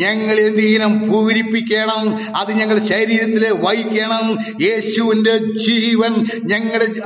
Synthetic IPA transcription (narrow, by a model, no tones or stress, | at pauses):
ɲɐŋːɐɭend̪iɣnɐmpuːɾipːikʲːeːɳɐm | ɐðɨɲɐŋːɐɭɕɐɾiːɾɐt̪ːileʋɐjikʲːeːɳɐm | je̞ːɕuʋinde̞d͡ʑiːʋɐnɲɐŋːɐɽe